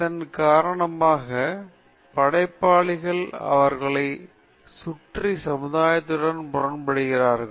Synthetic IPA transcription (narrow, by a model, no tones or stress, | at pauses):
t̪ɐnkaːɾɐɳɐmaːɣɐ | pɐɽɐɪpːaːɭɪɣɐɭɐ̰ʋɐɾɣɐɭɐɪ | sʊʈrisɐmɯðaːjɐt̪ːɯɽɐnpʊrɐnpɐɽɯɣɪraːɾɣɐɭ